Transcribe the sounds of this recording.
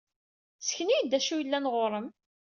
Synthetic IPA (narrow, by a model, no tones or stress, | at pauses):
t͡sːə̥çnijd̪æʃujəlːænʁoɾˤəm